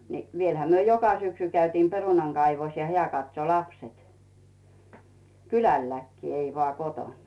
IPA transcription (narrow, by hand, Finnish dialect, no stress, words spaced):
ni ʋielhæ myø jokɑ syksy kæytiːm perunɑŋ ɡ̊ɑiʋos jɑ heæˑ kɑtso lɑpset kylælːækːiː ei ʋŏɑˑ kotonˑ